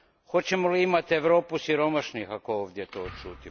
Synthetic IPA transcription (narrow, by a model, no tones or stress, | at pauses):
xo̞t͡ɕe̞moliimat̪eʋɾo̞ːpusiɾo̞maʃnixakooːʋd̪ʲjet̪oːt͡ʃuːt̪i